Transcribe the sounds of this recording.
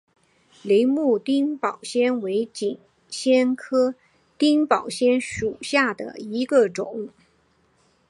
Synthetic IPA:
li˧˥ɪmu˥˩t̪i˥ŋpɑ˨˩ʊɕjɛ˥nwe˧˥ɪt͡ɕi˨˩ŋ | ɕjɛ˥nkʰɤ˥ | t̪i˥ŋpɑ˨˩ʊɕjɛ˥nʂu˨˩ɕja˥˩d̪ə̰˩i˧˥ɡə˧ʈ͡ʂʊ˨˩˦ŋ

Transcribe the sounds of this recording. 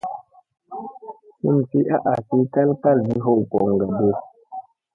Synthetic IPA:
hu˦˨m˨fi˦ʔa˦ʔa˨si˨˦ka˦lka˦zi˦ɦo˦˨wkɔ˨ŋ˨ɡa˨bə˦˨

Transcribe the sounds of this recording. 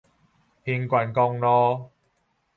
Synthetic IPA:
hi˧nkʷɐ˧˩nkɔ˧ŋlɔː˧˥

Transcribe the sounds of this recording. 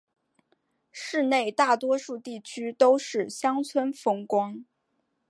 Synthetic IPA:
ʂɻ̩˥˧ne˥˧ɪt̪a˥˩t̪wɔ˥ʂu˥˧t̪i˥˩t͡ɕʰy˥t̪o˥ʊʂɻ̩˥˩ɕjɑ˥ŋt͡sʰwə˥nfɤ˥ŋkwɑ˥ŋ

